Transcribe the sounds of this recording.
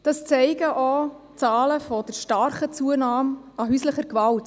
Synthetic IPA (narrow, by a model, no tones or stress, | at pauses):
d̥ɑst͡sɛɪɡəʔɔ | t͡sɑːləfɔd̥əɾʃtɑɾχət͡suənaːmɑɦysləχəɾkvɑlt